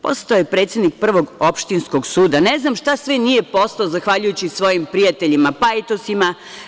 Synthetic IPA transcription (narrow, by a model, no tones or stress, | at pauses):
po̞̰set̪aojepɾe̞ːt̪sjed̪nik̚pr̩ʋo̞ɡopʃt̪insko̞ɡsuːd̪aneznamʃt̪asʋenijepo̞st̪aozaxʋaʎujut͡ɕisʋo̞jimpɾijat̪e̞ʎimapajt̪osima